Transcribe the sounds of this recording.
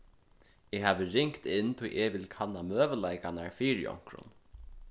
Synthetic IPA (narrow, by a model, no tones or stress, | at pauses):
ɛɦaːʋɪɾɪŋkt̪ɪnt̪ʰʊjʔɛʋɪlkʰanːamœːvəlajkanaɹfiːɾjɔ̰wŋ̥kɾʊ̰n